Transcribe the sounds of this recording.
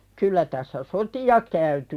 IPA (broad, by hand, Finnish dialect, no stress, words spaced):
kylːæ tæsːæ sotiɑ kæyty